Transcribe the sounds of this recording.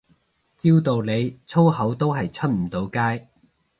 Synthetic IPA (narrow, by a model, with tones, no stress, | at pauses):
t͡siː˥wt̪o˨wle˨˧jt͡sʰo˥wɦɐ˨˥wt̪o˥wɦɐ˨jt͡ʃʰɵ˥t̚m̩˨˩t̪o˨˧wkaː˥j